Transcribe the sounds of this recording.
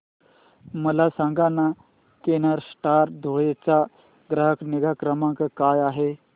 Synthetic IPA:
məlasãŋɡana | kenəɾsʈaɾd̪ʱojet͡ɕa | ɡɾəɦəkniɡakɾəmãŋkkaːjaːɦe

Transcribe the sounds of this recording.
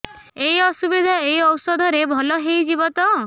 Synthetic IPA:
ejɔsubid̪ʱaejɔwsɔd̪ʱɔɾebʱɔlɔɦejd͡ʒibɔt̪ɔ

